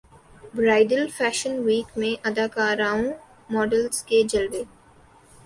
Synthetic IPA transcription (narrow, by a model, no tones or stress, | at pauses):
bɾaːɪɖəlfɛːʃənʋiːkmẽʔɐd̪aːkaːɾaːũ | mɔːɖəlzked͡ʒɐlʋeː